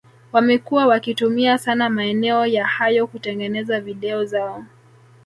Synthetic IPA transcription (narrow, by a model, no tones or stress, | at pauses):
wamɛkuwawakitumiasanamaɛnɛɔjahajɔkutɛŋɡɛnɛzaviɗɛɔzaɔ